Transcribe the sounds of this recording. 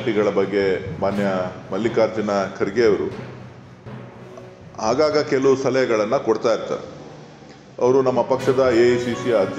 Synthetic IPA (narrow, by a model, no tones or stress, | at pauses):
ʈiɡɐɭɐbɐɡːe̞maːnjɐmɐlːikaːɾd͡ʒɐnɐkʰɐɾiɡeːɐʋɐɾu | ɦaːɡaːɡɐkelɐʋust̪ɐlɐjɐɡɐɭɐnːɐkoɽt̪aːjiɾt̪a̰ːɾe | ɐ̰ʋɐɾunɐmːɐpɐkʂɐd̪ɐesisiɐɐd̪